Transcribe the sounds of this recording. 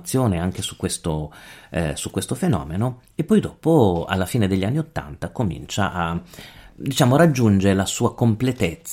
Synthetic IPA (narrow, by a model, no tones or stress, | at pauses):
t̪sːjoːneaŋk̟esu̥kːwest̪o | sukwest̪ofenɔ̰ːmeno | epːɔjd̪ɔːpoa̰lːafiːned̪eʎːianːiot̪ːa̰nt̪akomḭnt͡ʃa̰ʔa | d̪it͡ʃaːmoɾad͡ʒːund͡ʒeelasuːakomplet̪et̪sː